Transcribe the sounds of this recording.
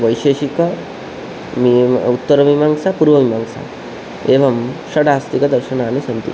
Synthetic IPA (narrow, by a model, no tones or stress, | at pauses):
ʋəjɕeɕikə | ʋiut̪ːəɾɐʋimaŋɡsapuɾʋɐʋimaŋɡsa̰ | eʋɐmɕɐɽast̪ikɐd̪ɐɾɕɐnaːñisənt̪ḭ